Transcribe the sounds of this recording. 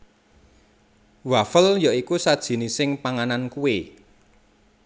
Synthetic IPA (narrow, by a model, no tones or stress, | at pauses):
wafəljaikusad̥ʒ̥i̤nisɪŋpaŋanankue